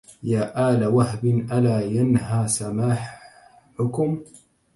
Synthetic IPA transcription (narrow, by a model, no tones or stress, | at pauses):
jaːʔaːlawahbɪnʔalaːjanɦaːsamaːħ | ʊkʊm